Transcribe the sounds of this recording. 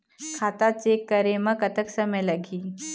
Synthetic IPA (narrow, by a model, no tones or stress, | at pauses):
kʰaːt̪at͡ʃekːəɾemə̃kɐt̪əksɐməjlɐɡiː